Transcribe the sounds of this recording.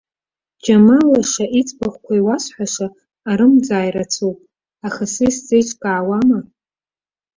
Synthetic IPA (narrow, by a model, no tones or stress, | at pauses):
d͡ʒamalaʂaʔit͡sʼbaχʷkʷʰaiwasħʷaʂaː | ɾɨmd͡zaːjrat͡sʰupʼ | aχasɨjsd͡zejt͡ʃʼkʼaːwama